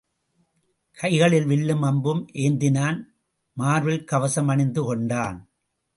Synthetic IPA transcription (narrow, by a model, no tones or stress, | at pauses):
kʰɐɪɣɐɭɪlʋɪɭːɯmɐmbɯmʔeːnd̪ɪnaːn | maːɾʋɪlkɐʋɐsɐmɐɳɪnd̪ɯkɔɳɖaːn